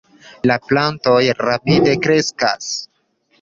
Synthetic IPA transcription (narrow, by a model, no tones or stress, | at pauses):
laplanto̞jɾapide̞kɾe̞ska̰s